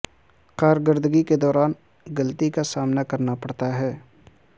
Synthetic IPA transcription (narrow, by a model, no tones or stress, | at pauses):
qaːɾɡəɾd̪ɡiked̪ɔːɾaːn | ɡɐlt̪ikasaːmnakɐɾnapɐɽt̪aɦɛː